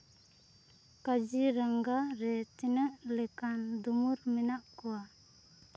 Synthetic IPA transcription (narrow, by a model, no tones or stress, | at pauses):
kad͡ʒiɾaŋɡaɾɛt͡ʃɛnəʔlɛkand̪umuɾmɛnaʔkuwa